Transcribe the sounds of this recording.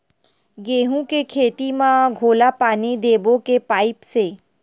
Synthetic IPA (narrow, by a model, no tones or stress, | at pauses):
ɡeːɦũkekʰeːt̪imãɡʱoːlapaːnid̪eːbõkepaːɪpseː